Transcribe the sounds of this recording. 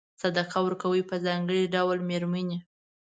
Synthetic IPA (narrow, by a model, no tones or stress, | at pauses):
sad̪aqawəɾkawəjpəzɑŋɡəɽiɖawlmeɾməne